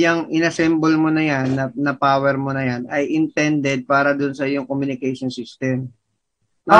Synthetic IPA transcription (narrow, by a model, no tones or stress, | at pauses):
jɐŋʔɪnɐsɛmbolmonɐjanːɐːɐpaːwɛɾmonɐjanɐjʔɪnt̪ɛnd̪ɛd̪̚paːɾɐd̪ʊnsɐɪjoŋkomjʊnɪkɛjʃonsist̪ɛm